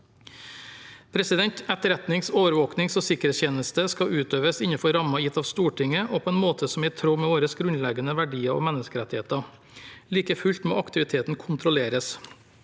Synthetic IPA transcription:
pʰɾɛsɪd̪ɛnt̪ɛt̪əɾɛt̪nɪŋsoːʋəɾʋoːknɪŋsoːsɪkɾɛt̪sçeːnəst̪əskɑʉːt̪øːʋəsɪɲəfɔɾɑmɑjɪt̪ːɑːʋst̪uːʈʰɪŋəʔoːpʰoːɛːnmoːt̪ʰəsɔmæt̪ʰɾoːmɛːʋoːɾəsɡɾʉnlɛɡənəʋæɖiːɑo̰ːmɛnːəskəɾɛt̪ɪheːt̪ɑ | liːkəfʉlt̪mo̰ːʔɑkt̪ɪʋɪt̪ʰeːt̪n̩kʰʊnt̪ʰɾʊleːɾəs

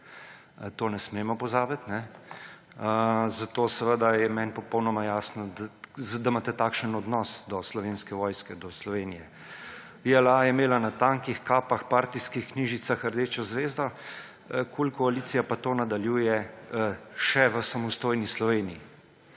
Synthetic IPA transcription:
t̪oːnɛsmeːmɔpɔzaːbit̪nɛ | zat̪oːsɛʋəd̪ajɛmɛnpɔpəwnɔmajaːsnɔd̪d̪amaːt̪ɛt̪aːkʃənɔd̪nɔsd̪ɔslɔʋeːnskɛʋɔːjskɛd̪ɔslɔʋeːnijɛ | iɛlajɛmeːlanat̪aːŋkixkaːpaxpaːɾt̪iskixkniːʒit̪saxəɾd̪eːt͡ʃɔzʋeːzd̪ɔ | kʰulkɔaliːt̪sijapat̪oːnad̪aljuːjɛ | ʃɛʋəsamɔst̪oːjnislɔʋeːnii

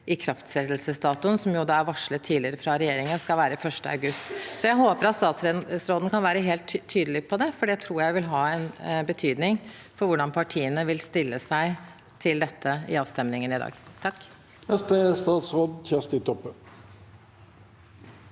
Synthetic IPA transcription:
ʔɪkʰɾɑft̪sɛt̪lsəst̪ɑːt̪ʊnsɔmjʊd̪ɑːæɾʋɑʂɭət̪ʰːiːlɪəɾəfɾɑɾɛjeːɾɪŋənskɑlʋæːɾəfœʂʈəɑ̰ʉɡʉst̪sɔjæɪɦoːpəɾɑt̪st̪ɑːt̪sɾɛsɾoːd̪nkʰɑnʋæːɾəɦeːlt̪ʰːyːd̪əlɪpʰɔd̪ɛfɔɖɛt̪ʰɾuːɾjæɪʋɪlɦɑːɛnbət̪ʰyːd̪nɪŋ | fɔɾʋʊɖɑnpʰɑʈʰiːənəʋɪlst̪ɪlːəsæɪ | t̪ʰɪld̪ɛt̪ʰːəɪ̰ɑːʋst̪ɛmnɪŋənɪd̪ɑ̰ːɡt̪ʰɑkː | nɛst̪əst̪ɑːt̪sʁoːd̪çʰɛst̪ɪt̪ʰɔpːə

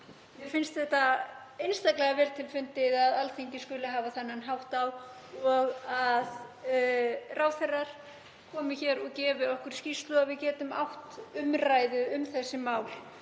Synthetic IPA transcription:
jɛfɪnst̪θɛht̪aejnst̪aklɛɣavɛːɾt̪ʰɪlfʏnt̪ɪðaðalθejɲcɪskʏlɪɦaːvaθanːanɦawht̪aw | ɔɣað | rʔaːwθɛrːaɾ̥ | kʰɔːmɪçɛːɾɔɣcɛːvɪɔhkʏɾ̥scist̪lʏaðvɪðcɛːt̪ʏma̰wht̪ʏmrajðʏʏmθɛsːɪmaːwl

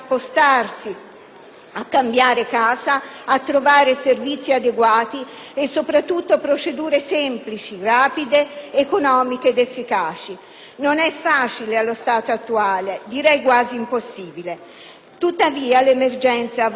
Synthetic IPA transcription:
spost̪arsi | akːambjaːɾekaːzaːt̪ːɾovaːɾeservit̪sːiad̪eɡwaːt̪i | esːopɾat̪ːut̪ːopɾot͡ʃed̪uːɾesɛmplit͡ʃiraːpid̪eːkonɔːmikeːd̪efːikaːt͡ʃi | nonɛfːaːt͡ʃilealːost̪aːt̪oat̪ːuaːled̪iɾɛjkwaːziːmposːiːbile | t̪ut̪ːaviːalemerd͡ʒɛnt̪sa

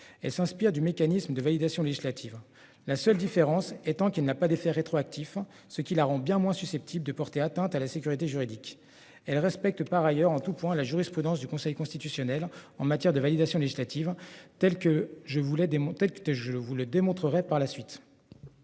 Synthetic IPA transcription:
ɛlsɛ̃spiʁd̪ymekanisməd̪əvalid̪asjɔ̃leʒislat̪ʰiv | lasœld̪ifeʁɑ̃sɛt̪ɑ̃kɛlnapad̪efɛʁet̪χoak̚t̪ʰif | səkʲilaʁɑ̃bjɛ̃mwɛ̃sysɛp̚t̪ʰibld̪əpɔʁt̪eat̪ɛ̃t̪alasekʲyʁit̪eʒyʁid̪ikʲ | ɛlʁɛspɛk̚t̪paʁajœʁɑ̃t̪upwɛ̃laʒyʁispχyd̪ɑ̃sd̪ykɔ̃sɛjkɔ̃st̪it̪ysjɔnɛlɑ̃mat̪jɛʁd̪əvalid̪asjɔ̃leʒislat̪ivt̪ɛlkəʒəvulɛd̪̃t̪ɛlk̪əʒəəvuləd̪emɔ̃t̪χəʁɛpaʁlasɥit̪

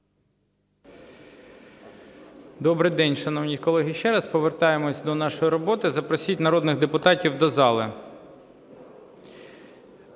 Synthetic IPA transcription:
d̪ɔbɾɪjd̪ɛnʲʃɐnɔwnʲikɔlˠɛɦɪʃt͡ʃɛɾɐspɔʋert̪ɑjemɔsʲd̪ɔnɑʃɔjiɾɔbɔt̪ɪzɐpɾɔsʲitʲnɐɾɔd̪nɪɣd̪epʊt̪ɑtʲiwd̪ɔzɑlˠɪ

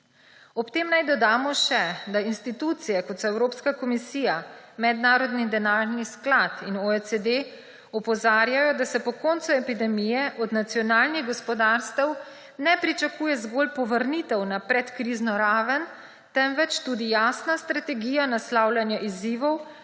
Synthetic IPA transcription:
ɔpt̪eːmnajd̪ɔd̪aːmɔʃɛd̪ainst̪it̪ut̪sijɛkɔt̪sɔɛwɾoːpskakɔmisijamɛd̪naːɾɔd̪nid̪ɛnaːɾnisklat̪inoesed̪e | ɔpɔzaːɾjajɔd̪asɛpɔkɔnt̪suɛpid̪ɛmijɛʔɔd̪nat̪sijɔnaːlniɣɡɔspɔd̪aɾst̪ɛw | nɛpɾit͡ʃakuːjɛzɡoːlpɔʋəɾnit̪ɛwnapɾɛt̪kɾiːznɔɾaːʋən | t̪ɛmʋɛt͡ʃt̪uːd̪ijaːsnast̪ɾat̪ɛɡiːjanaslaːwlʲjanjaʔiziʋɔw

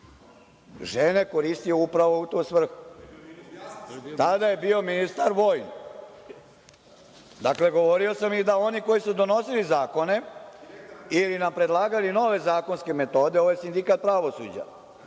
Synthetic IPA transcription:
ʒe̞ne̞ko̞ɾist̪ijuupɾaʋo̞ut̪osʋr̩xu̥ | t̪ad̪aje̞biːo̞minist̪aɾʋo̞ːjn | d̪akle̞ɡo̞ʋo̞ɾio̞samid̪ao̞niko̞jisud̪o̞no̞silizaːko̞ne̞ | ilinampɾe̞d̪lˠaːɡalino̞ʋe̞zaːko̞nske̞me̞t̪o̞ːd̪eo̞ʋojesind̪ikat̪̚pɾaʋo̞sṵd͡ʑa̰

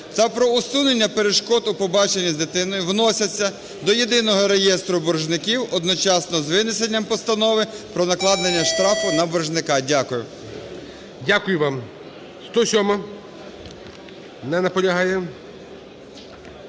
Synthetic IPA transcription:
t̪ɛpɾɔʊsunenʲːɐpeɾeʃkɔt̪ʊpɔbɑt͡ʃenʲːizd̪ɪt̪ɪnɔjʊwnɔsʲɐt͡sʲːɐ | d̪ɔjed̪ɪnɔɦɔɾejɛst̪ɾʊbɔrʒnɪkʲiwɔd̪nɔt͡ʃɑsnɔzʋɪnɪsenʲːɐmpɔst̪ɐnɔʋɪpɾɔnɐklˠɑd̪nenʲːɐʃt̪ɾɑfʊnɐbɔrʒnɪkɑdʲakʊjʊ | dʲakʊjʊʋɑm | st̪ɔsʲɔmɐ | nɛnɐpɔlʲɐɦɑjɛ

